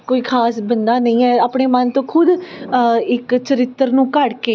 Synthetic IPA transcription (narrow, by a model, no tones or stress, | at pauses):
koːiːkʰaːsbənd̪aːnəĩːɛːaːpɳeːmənt̪õːkʰʊd̪ | ɪkt͡ʃəɾɪt̪ːəɾnũːkəɽkeː